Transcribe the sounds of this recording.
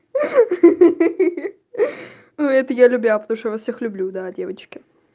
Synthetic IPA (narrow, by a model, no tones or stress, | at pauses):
nuɛt̪əjalʲʉbʲapət̪ɐmuʂt̪javɐsfsʲe̞xlʲʉblʲud̪adʲe̞vət͡ɕkʲɪ